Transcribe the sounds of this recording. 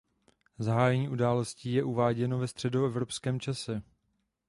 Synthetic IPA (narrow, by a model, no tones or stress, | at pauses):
zaɦaːjɛɲiːʔudaːlosciːjɛʔuvaːɟɛno̞vɛst̪r̝̥ɛdoɛvɾo̞pskɛːmt͡ʃasɛ